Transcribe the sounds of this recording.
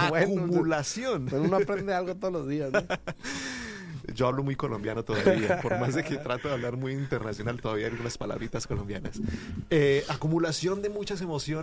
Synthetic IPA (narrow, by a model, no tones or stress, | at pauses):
wekumulasjo̞neunoapɾend̪ealɣot̪oðolozðiasn | d͡ʒo̞aβlo̞mujko̞lo̞mbjanot̪o̞ða̰ββiapo̞ɾmazðe̞ke̞t̪ɾat̪oðeaβlaɾmujint̪e̞ɾnasjo̞nalt̪o̞ðaβiajalɣunaspala̰βɾit̪askolo̞mbja̰na̰seakumulasjo̞nd̪e̞mut͡ʃas̬e̞mo̞sjon